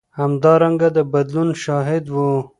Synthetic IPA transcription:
hamd̪ɑɾaŋɡad̪əbad̪lunʃɑɦɪd̪wu

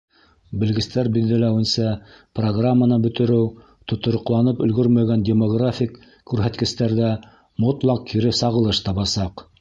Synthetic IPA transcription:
bɘ̆lɡɘ̆st̪æɾbiððælæwɘ̆nsɑ | proɡramːanɤbɵ̆t̪ɘ̆ɾɘw | t̪ŏt̪ŏɾŏqlˠɑnɤpɵ̆lɡɵɾmæɡændʲemoɡrafʲik | kːʉɾɦæt̪kɘ̆st̪æɾðæ | mot̪lˠɑqkiɾɘsɑʁɤ̆lˠɤʃt̪ɑβɑsɑq

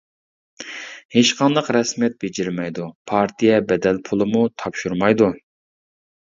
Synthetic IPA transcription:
heʃqɑnd̪əqɾɛsmijɛt̪̚bed͡ʒɪɾmɛjd̪upʰɑɾt̪ʰijɛbɛd̪ɛlpʰʊlˠɨmut̪ʰɑpʃuɾmɑjd̪u

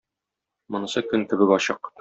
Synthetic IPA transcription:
mŏnɤ̆sɤkɵŋkɘ̆bɘbɒɕɤq

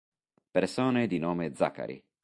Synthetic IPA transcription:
peɾsoːned̪inoːmed̪za̰kːa̰ɾḭ

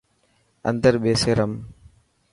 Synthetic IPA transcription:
ə̰nd̪əɾɓeːseːɾɐm

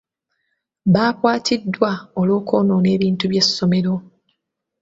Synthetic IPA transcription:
βaːkwaːtʰidːwaoloːko̞ːnoːne̞ːβiːntuβje̞sːo̞me̞ɾo̞

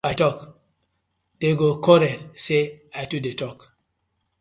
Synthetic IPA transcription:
atɔk | d̥eɡokʰɔɾɛtseajtudetɔk

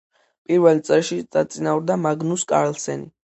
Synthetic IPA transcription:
pʼiɾvɛlt̪sʼɛlʃisat̪sʼinauɾd̪amaɡnuskʼa̰ɾɛlsɛnḭ

